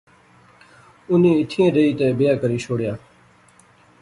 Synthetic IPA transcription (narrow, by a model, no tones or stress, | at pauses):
ʊnẽːɪʈ̪ʰiẽːɾəiːt̪eːbɪjaːkəɾiːʃʰoːɽjaː